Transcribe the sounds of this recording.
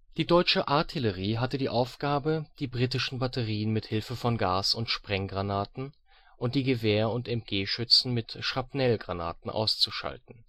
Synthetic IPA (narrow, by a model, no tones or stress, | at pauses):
d̥iːdɔʏt͡ʃəʔaɐtʰɪləʁ̞iːɦatədiːʔaʊfɡ̥aːbəd̥iːbʁiːtɪʃn̩batəʁiːənmɪthɪlfəfɔnɡaːsʊntʃpʁ̥ɛŋɡʁanaːtn̩ | ʔʊnt̚d̥iːɡəveːɐʊntɛmt̚ɡ̥eːʃʏt͡sn̩mɪtʃapnɛlɡʁana̰ːtn̩ʔa̰ʊst͡suʃa̰ltn̩